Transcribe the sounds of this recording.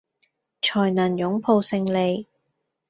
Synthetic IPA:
t͡ʃʰɔː˨˩jnaː˨˩njʊ˨˥ŋpʰo˧wsɪ˧ŋle˨˧j

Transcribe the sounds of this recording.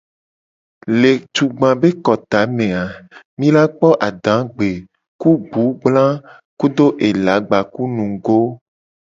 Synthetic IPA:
le˨t̪u˨ɡ͡bã˨be˦kɔ˨t̪a˨˦mẽ˨a˨ | mĩ˦la˦k͡pɔ˦ʔa˨ɖã˨˦ɡ͡be˨ | ku˦ɡ͡bu˨˦ɡ͡blã˦ | ku˦d̪o˦ʔe˨la˨˦ɡ͡ba˨ku˦nũ˨ɡo˦

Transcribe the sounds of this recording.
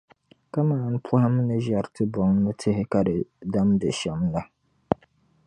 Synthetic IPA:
ka˦maː˨˦˨n˦pʰʊ˦ha˦mɨ˦nɨ˦ʒa˨ɾtʰɨ˦bɔ˨ŋ˦nɨ˦tʰɨ˦hɪ˦ka˦dɨ˨da˦mdɨ˨ʃɛ˨mla˦

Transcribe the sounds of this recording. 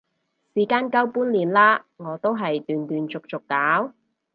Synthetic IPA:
siː˨˩kaː˥nkɐ˥wpuː˥nliː˨˩nlaː˥ŋɔː˨˧t̪o˥wɦɐ˨jt̪yː˨nt̪yː˨nt͡sʊ˨k̚t͡sʊ˨kːaː˨˥w

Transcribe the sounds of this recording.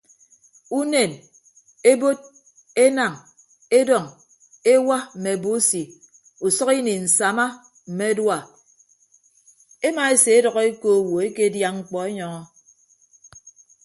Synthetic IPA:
u˦ne˨n | e˦bo˦d̚ | e˦na˨ŋ | e˦dɔ˨ŋ | e˦wa˦m̩˨me˨bo˦si˨ | u˨sɔ˦ki˦ni˨n̩˨sa˨ma˦ | m̩˨me˦dwa˦˨ | e˦ma˨e˦se˨e˦dɔ˨ɣɔ˦e˦ko˦˨wo˨e˦ke˦dja˦ŋ͡m̩˨k͡pɔ˨e˦ɲɔ˨ŋɔ˦

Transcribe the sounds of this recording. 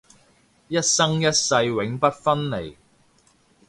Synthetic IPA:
jɐ˥t̚sɐ˥ŋjɐ˥t̚sɐ˧jwɪ˨˥ŋpɐ˥t̚fɐ˥nle˨˩j

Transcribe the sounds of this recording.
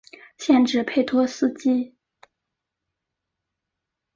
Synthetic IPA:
ɕjɛ˥˧nʈ͡ʂɻ̩˥˧pʰe˥˩ɪt̪ʰwɔ˥sɹ̩˥˧t͡ɕi˥

